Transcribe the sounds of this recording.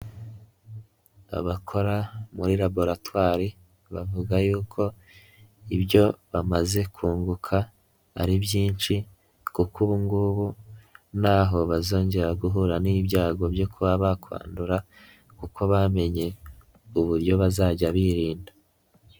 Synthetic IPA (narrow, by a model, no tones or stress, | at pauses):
a̰βakʰo̞ɾamuɾiɾabo̞ɾatwaːɾi | βavuɡajuːkʰo̞ | iβɟo̞βamaze̞kʰuːŋɡukʰa̰ː | ɾibjiːnt͡ʃi | kukuβuŋɡuβunaːɦo̞βazo̞ːɲɟe̞ɾaɡuɦuɾaniːbɟaːɡo̞bjo̞kʰuβaβakʰwa̰ːnduɾa | kukʰo̞βame̞ɲe̞ | uβuɾjo̞βazaːɟaβiɾiːnda